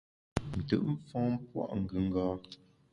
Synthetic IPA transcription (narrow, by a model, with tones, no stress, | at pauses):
n̩˨tə̰˨ʔm̩˦fɔ̃ː˦m˦pwa̰˦˨ʔŋ̩˨ɡə˨ŋ̩˦ɡaː˦